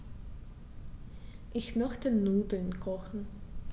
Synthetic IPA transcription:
ʔɪçmœçtənuːdl̩nkʰɔxn̩

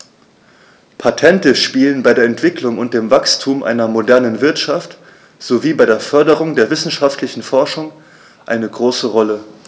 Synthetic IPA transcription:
pʰatʰɛntəʃpiːlənbaɪdeːɐɛntv̥ɪkʰlʊŋʊnt̚d̥eːmvakstʰuːmʔa̰ɪnɐmodɛɐnənvɪɐtʃaft | z̥oviːbaɪdeːɐfœɐdəʁ̞ʊŋdeːɐvɪsn̩ʃaftlɪçn̩fɔɐʃʊŋ | ʔaɪnəɡʁoːsəʁɔlə

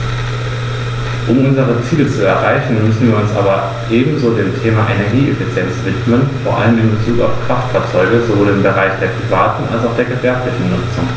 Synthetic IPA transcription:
ʔʊmʔʊnzəʁ̞ət͡siːlət͡suɛɐʁaɪçn̩mʏsn̩viːɐʊnsʔa̰ːbɐ | ʔeːbm̩zoːdeːmtʰeːmaʔenɛɐɡiːɛfit͡sjɛnt͡sv̥ɪtmənfoːɐʔa̰ləmɪnbət͡suːka̰ʊfkʁ̥aftfaːɐt͡sɔʏɡəzovoːlɪmbəʁaɪçd̥eːɐpʁ̥ivaːtn̩ʔa̰lsaʊxd̥eːɐɡəvɛɐplɪçn̩nʊt͡sʊŋ

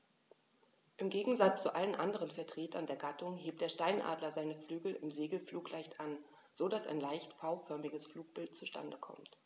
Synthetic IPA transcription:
ʔɪmɡeːɡŋ̩zat͡st͡suʔalənʔandəʁənfɛɐtʁ̥eːtʰɐndeːɐɡatʰʊŋɦeːp̚td̥eːɐʃtaɪnʔa̰ːdlɐzaɪnəflyːɡl̩ɪ̰mzeːɡl̩fluːklaɪçtʔan | z̥oːdasa̰ɪnlaɪçtfaʊfœɐmɪɡəsfluːk̚b̥ɪltt͡suʃtʰa̰ndəkʰɔ̰mt

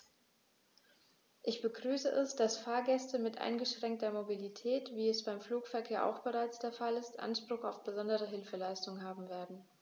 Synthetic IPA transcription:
ʔɪçb̥əɡʁyːsəʔɛsd̥asfaːɐɡɛstəmɪtʔa̰ɪnɡəʃʁ̥ɛŋk̚tɐmobilitʰɛːtv̥iːɛsb̥aɪmfluːkfɛɐkʰeːɐʔa̰ʊxb̥əʁaɪt͡sd̥eːɐfalɪstʔa̰nʃpʁ̥ʊχaʊfb̥əzɔndəʁ̞əɦɪlfəlaɪstʊŋənɦaːbm̩veːɐdn̩

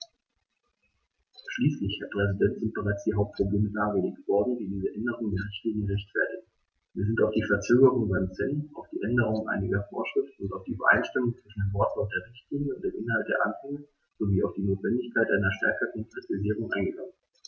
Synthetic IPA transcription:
ʃliːslɪçhaɐt̚pʁ̥ɛzidɛntz̥ɪnt̚b̥əʁaɪt͡sd̥iːɦaʊp̚t̚pʁ̥obleːməlaːɡəleːk̚tv̥ɔɐdn̩diːdiːzəʔɛndəʁ̞ʊŋəndeːɐʁ̞ɪçtliːnjəʁɛçtfɛɐtɪɡ̚ | viːɐzɪntaʊfd̥iːfɛɐt͡søːɡəʁʊŋbansɛnaʊfd̥iːʔɛndəʁ̞ʊŋənʔa̰ɪnɪɡɐfo̰ːɐʃʁ̥ɪftn̩ʊntaʊfd̥iːʔybɐ̰ʔa̰ɪnʃtɪmʊŋt͡sv̥ɪʃn̩deːɐvɔɐtv̥ɔk̚d̥eːɐʁɪçtliːnɲjəʊntd̥eːmʔɪnɦalt̚d̥eːɐʔa̰nhɛŋə | z̥oviːaʊfd̥iːnoːtv̥ɛndɪçkʰaɪtʔa̰ɪnɐʃtɛɐkɐkɔŋkʁ̥itʰiziːʁ̞ʊŋʔa̰ɪnɡəɡaŋən

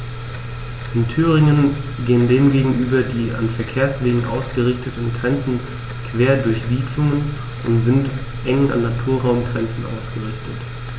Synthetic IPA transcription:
ʔɪntʰyːʁɪŋənɡeːəndeːmɡeːɡŋ̩ʔyːbɐdiːa̰nfɛɐkʰeːɐsv̥eːɡŋ̩ʔa̰ʊsɡ̥əʁɪçtətn̩ɡʁɛnt͡sn̩ | kv̥eːɐdʊɐçz̥iːdlʊŋən | ʔʊntz̥ɪnt | ʔɛŋəna̰nːatʰuːɐʁaʊmɡʁɛnt͡sn̩ʔa̰ʊsɡ̥əʁɪçtʰət

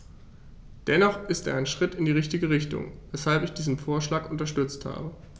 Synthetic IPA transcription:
d̥ɛnɔχʔɪsteːɐaɪnʃʁ̥ɪtɪndiːʁɪçtɪɡəʁ̞ɪçtʊ̰ŋvɛshalpɪçd̥iːzn̩foːɐʃlaːkʔʊntɐʃtʏt͡stha̰ːbə

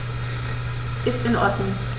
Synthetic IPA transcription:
ʔɪstɪnʔɔ̰ɐdnʊŋ

